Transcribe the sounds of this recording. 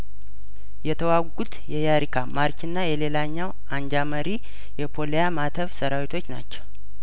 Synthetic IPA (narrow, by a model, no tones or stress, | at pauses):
jɛt̪ʰəwaɡut̪jɛjaɾikʰamaɾt͡ʃɨnːajɛle̞laɲːaw | aɲd͡ʒaməɾi | jɛpʰo̞lejamat̪ʰəfsəɾawit̪ʰo̞t͡ʃːna̰t͡ʃːɛw